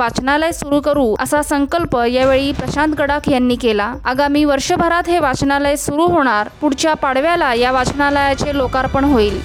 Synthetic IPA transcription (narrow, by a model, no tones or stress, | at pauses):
at͡ɕnalajsuɾuːkəɾũːə̰sasəŋkəlpəjaʋeɭiːpɾəɕant̪ɡəɽakʰjanːiːkelaaɡamiːʋəɾʂəbʱəɾat̪ɦeʋat͡ɕnaləjsuɾuːɦoɽ̃aɾpuɽ̤t͡ɕjapaɽ̤ʋjalajaʋat͡ɕnaləjat͡selokaɾpəɳɦoiːl